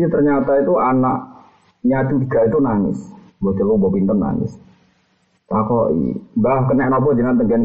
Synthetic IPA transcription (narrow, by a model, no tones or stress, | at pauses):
it̪ərɲat̪ait̪uanaʔ | ɲat͡ʃid̪əɡ̥ait̪unanɪ̰s | bɔt̪əlubɔpint̪ənːa̰nɪ̰s | t̪akɔʔḭbahkənɛʔnɔpɔd͡ʒinant̪əŋɡɛn